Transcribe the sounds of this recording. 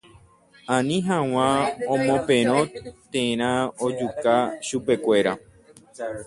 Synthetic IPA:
ãnĩɦãw̃ãõmõpẽɾ̃õt̪ẽɾ̃ãod͡ʒukaʃupekʷe̞ɾa

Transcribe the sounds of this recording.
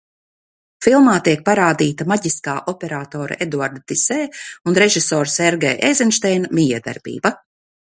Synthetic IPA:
filˠmaːt̪iɛk̚paɾaːd̪iːt̪amaɟiskaːʔɔpeɾaːt̪ɔːɾa̰ʔed̪uaɾd̪at̪iseːunɾeʒisɔːɾsɛɾɡḛːʔejzɛnʃt̪ɛjnamʲiːjɛːd̪a̰ɾbḭːba

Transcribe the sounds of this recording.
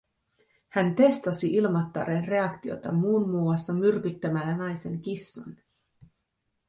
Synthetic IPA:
hænt̪e̞st̪ɑsiʔilmɑt̪ːɑ̰ɾenre̞ɑkt̪io̞̰t̪ɑmuːnmuːɑsːɑmyrkyt̪ːæmælːænɑjse̞ŋk̟isːɑ̰n

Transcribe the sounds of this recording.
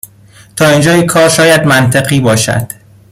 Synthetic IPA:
t̪ʰɒːind͡ʒɒːjikʰɒːɾʃɒːjæd̪mænt̪ʰeɣiːbɒːʃæ̰d̪̥

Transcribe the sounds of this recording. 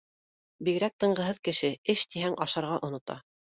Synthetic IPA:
biɡɾæk̚t̪ɤ̆ɴɢɤ̆ɦɤðkɘ̆ʃɘɘʃt̪iɦæŋʔɑʃɑɾʁɑʔŏnŏt̪ɑ̰

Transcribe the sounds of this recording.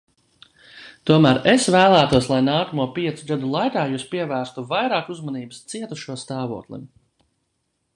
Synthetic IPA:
t̪uɔmæːɾesvæːlˠæːt̪uɔslˠajnaːkɐmuɔpiɛt̪suɡad̪ulˠajkaːjuːspiɛvæːɾst̪uvajɾaːkuzmaniːbst̪siɛt̪uʃuɔst̪aːvṵɔklˠḭm

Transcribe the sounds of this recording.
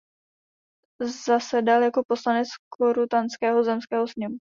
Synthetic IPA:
zasɛdaljako̞po̞slanɛt͡skoɾut̪anskɛːɦozɛmskɛːɦosɲɛmu

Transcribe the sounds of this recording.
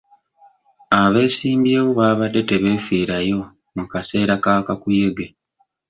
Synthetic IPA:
aβe̞ːsiːmbjeːwuβaːβadːe̞te̞βe̞ːfiːɾajo̞ | mukase̞ːɾakaːkakuje̞ɡe

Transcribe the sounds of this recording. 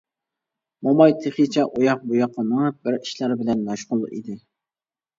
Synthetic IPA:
mɔmɑjt̪ʰeχit͡ʃʰɛʔojɑq̚bujɑqːɑnəŋbɪɾiʃlæɾbɪlɛnːɑʃqʊl̰ˠʔḭd̪ɪ

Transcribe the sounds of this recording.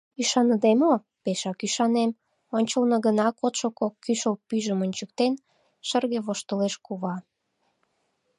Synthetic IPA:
yʃɑnəd̪emo | peʃɑkyʃɑnem | onʲt͡ɕəlnə̆ɣənɑkot̪ʃokokːyʃəlpyʒəmonʲt͡ɕək̚t̪en | ʃərɣeβoʃt̪əleʃkuβɑ

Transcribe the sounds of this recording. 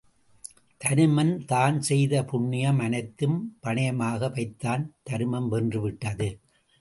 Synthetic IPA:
t̪ɐɾɯmɐnt̪aːnsɛjðɐpʊɳːɪjɐmɐnɐɪt̪ːɯmpɐɳɐjɐmaːɣɐʋɐɪt̪ːaːnt̪ɐɾɯmɐmʋɛndrɯʋɪʈːɐðɯ

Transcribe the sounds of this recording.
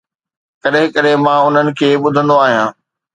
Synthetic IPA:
kɐɗɦɪ̃kɐɗɪmãːʊn̤ənɪ̆kʰeːɓʊd̪ʱə̃nd̪oaːɦijãː

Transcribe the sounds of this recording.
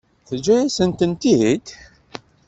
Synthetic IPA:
θəd͡ʒɾisənt̪ənt̪iid̪

